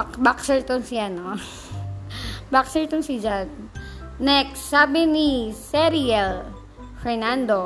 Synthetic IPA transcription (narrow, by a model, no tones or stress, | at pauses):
akbaksɛɹt̪ʊnsɪʔɐno | baksɛɹt̪ʊnsɪd͡ʒanː | ɛksːaːbɪnisɛɾiɛl | fɛɹnand̪o